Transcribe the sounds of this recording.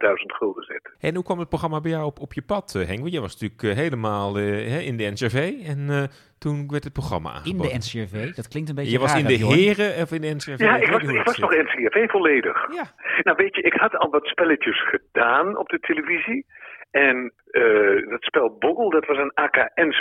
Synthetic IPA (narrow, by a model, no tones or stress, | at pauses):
d̥œɥzəntχølˠdəzɪ̰tɛɛnukʋɑmət̚proχrɑmabɛjɔwpɔpjəpɑtɦɛŋʋəjəjʋɑsnatyːləkɦejləmaːlˠəɦɛɪndəɛnsɛvejɛn | tunʋɛɹtət̚proxrɑ̰ma̰a̰ɪndəɛnsvejdɔtklɪŋktənbejəʋɑsɪndəɦɪːrəfɪndəɛnsjaɪkʋɑsɪkʋɑsnɔχɛnseɛvejvɔleːdə̰xjanawʋetəʔɪkhɑtɑ̰lˠʋɑtspɛlətəsχədaːnɔ̰b̚dətʰeləviziʔɛn | ədɔtspɛlˠbʊɡəlˠdɑtʋɑsənaːkaːʔɛns